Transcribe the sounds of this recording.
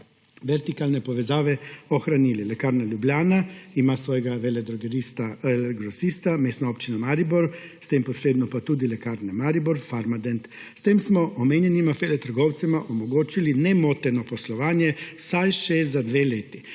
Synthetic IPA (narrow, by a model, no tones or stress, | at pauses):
ʋɛɾt̪ikalnɛpɔʋɛzaːʋɛɔxɾanililɛkaːɾnaljubljaːnaimasʋɔːjɛɡaʋɛlɛd̪ɾɔɡɛɾist̪aɛlɛɡɾɔsist̪ameːst̪naoːpt͡ʃinamaɾibɔɾst̪empɔsɾeːd̪nɔpat̪uːd̪ilɛkaːɾnɛmaɾibɔɾfaɾmad̪ɛnt̪ | st̪eːmsmɔʔɔmeːnjɛnimafelɛt̪əɾɡɔwt̪sɛmaʔɔmɔɡoːt͡ʃilinɛmoːt̪ɛnɔpɔslɔʋaːnjɛwsajʃɛzad̪ʋeleːt̪i